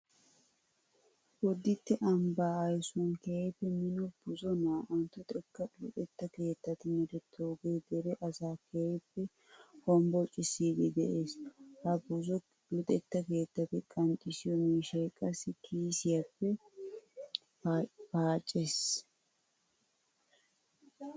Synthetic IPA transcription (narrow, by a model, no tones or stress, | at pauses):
wɔd̪ːɪt̪ːɪʔɐmbaːɐjsʊɐnkɛhepːɛmɪnɔb̥ʊzɔnaːʔɔnt̪ːʊt̪ʼɛkːɐlʊt̪ʼɛt̪ːɐke̞ːt̪ːɐt̪ɪmɛd̪ɛt̪ʰːoːɡeːd̪ɛɾɛʔɐsaːkʰɛjepːɛ | hɔmbɔt͡ʃʼːɪsiːd̪ɪd̪ɛʔeːshɐbʊzɔ | lʊt̪ʼɛt̪ːɐke̞ːt̪ːɐt̪ɪkʼɐnt͡ʃʼːɪsɪjɔmiːʃekʼːɐsːɪkʰiːsɪjɐpːɛ | paːt͡ʃʼːes